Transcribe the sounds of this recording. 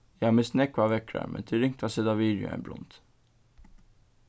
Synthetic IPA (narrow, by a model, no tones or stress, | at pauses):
jɛɑmɪsnɛkʋɑːʋɛkʰɾæ̰mʔə̰nt̪ʰɪɾɪŋt̪ʰɑsɛd̪ɑʋiːd̪ʊ̰ɛ̰blʊ̰nt̪